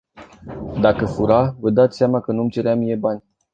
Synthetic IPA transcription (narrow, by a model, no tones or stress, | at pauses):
d̪akəfuɾavəd̪at̪sʲsʲjamakənuamt͡ʃe̞ɾeamijebanʲ